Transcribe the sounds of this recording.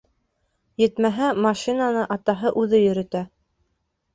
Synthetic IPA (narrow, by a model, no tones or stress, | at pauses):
jɘ̆t̪mæɦæmɑʃinanɤʔɑt̪ɑɦɤʔʉðɘjɵ̆ɾɘ̆t̪æ